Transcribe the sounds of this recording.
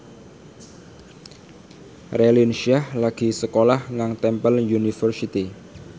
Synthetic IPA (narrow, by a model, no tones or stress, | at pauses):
relinʃiahlaɡ̥i̤səkolahŋaŋt̪ɛmpəljunifərsit̪i